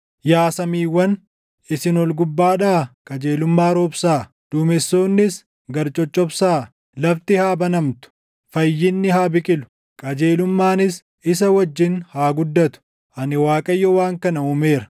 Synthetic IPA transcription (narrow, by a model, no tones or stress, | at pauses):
jaːsɐmiːwːɐn | ɪsɪnɔlɡʊbːaːᶑaːkʼɐd͡ʒeːlʊmːaːɾoːbsaː | d̪̥uːmɛsːoːnːɪs | ɡɐɾt͡ʃʼɔt͡ʃʼːɔbsaː | lɐft̪ɪhaːbɐnɐmt̪ʊ̥ | fɐjːɪnːɪɦaːbɪkʼɪlʊ̥ | kʼɐd͡ʒe̞ːlʊmːaːnɪs | ɪs̬ɐwɐd͡ʒːɪnhaːɡʊd̪ːɐt̪ʊ̥ | ʔɐnɪwaːkʼɐjːɔwaːŋkɐnɐumeːɾɐ̥